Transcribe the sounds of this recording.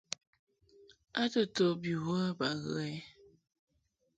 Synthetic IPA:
a˦tə˨to˨bi˨wə˦ba˨ɣə̰˨˦ɛ˦

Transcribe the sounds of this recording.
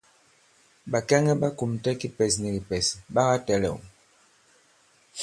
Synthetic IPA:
ba˨kɛ˦ŋɛ˦ba˦ku˨m̩˨tɛ˦ki˦pɛ˨sni˨li˨pɛ˨si˨ba˦ɣa˦tɛ˨lɛ̰˨ṵ˨

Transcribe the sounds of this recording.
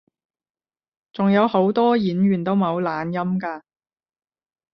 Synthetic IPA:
t͡sʊ˨ŋjɐ˨˧who˨˥wt̪ɔː˥jiː˨˥nɥyː˨˩nt̪o˥wmɐ˨˧wlaː˨˧njɐ˥mkaː˧

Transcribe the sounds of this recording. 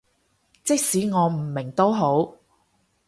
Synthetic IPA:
t͡sɪ˥k̚siː˨˥ŋɔː˨˧m̩˨˩mɪ˨˩ŋt̪o˥wɦo˨˥w

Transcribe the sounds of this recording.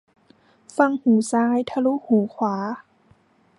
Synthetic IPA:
fa˧˨ŋhuː˨˩˦saː˧˥˨jt̪ʰa˧lu˧˥huː˨˩˦kʰwaː˩˦

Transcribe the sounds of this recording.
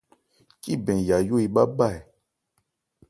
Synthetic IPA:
ki˦bɛ̃˨ja˨jo˦i˧ɓa˦ɓa˦˨ɛ˨

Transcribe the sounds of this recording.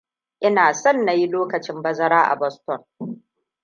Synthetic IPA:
ʔɪ˦naː˨sɔ˦˨nːa˨ji˦loː˦kɐ˨t͡ʃɪ˦mbɐ˦zɐ˦ɾaː˦ʔa̰˨bɔ˦stɔ˨n

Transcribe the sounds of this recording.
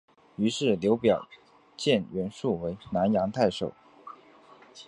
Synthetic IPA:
y˧˥ʂɻ̩˥˩ljo˧˥ʊpjɑ˨˩ʊ | t͡ɕjɛ˥˩nɥɛ˧˥nʂu˥˩we˧˥ɪna˧˥njɑ˧˥ŋt̪ʰa˥˩ɪʂo˨˩˦ʊ

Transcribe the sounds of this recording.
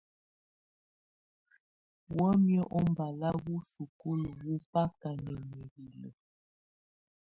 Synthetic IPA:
wə˦mjə˦ʔɔ˦m˨ba˨la˦ɣu˦su˨ko˦lə˨wu˦pa˦ka˨nə˨mə˨ɣi˨lə̰˨

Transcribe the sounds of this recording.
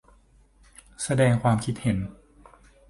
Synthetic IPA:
sa˧dɛː˧ŋkʰwaː˧mkʰi˦t̪̚he˩˦n

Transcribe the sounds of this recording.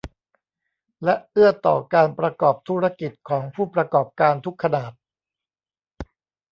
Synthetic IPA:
lɛ˦˥ʔʔɯ˥˩ɐt̪ɔ̰ː˨˩kaː˧npɾa˧kɔː˨˩p̚t̪ʰu˦˥ɾa˧ki˨˩t̪̚kʰɔː˩˦ŋpʰuː˥˩pɾa˧kɔː˨˩p̚kaː˧nt̪ʰu˦˥kʰːa˧naː˨˩t̪̚

